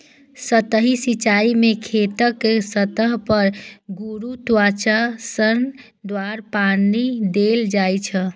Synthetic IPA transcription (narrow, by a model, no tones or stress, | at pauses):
sət̪əɦisit͡ʃaimekʰet̪əkːesət̪əɦpəɾɡuɾut̪wat͡ʃasən | d̪waɾpanid̪eld͡ʒajt͡ʃʰə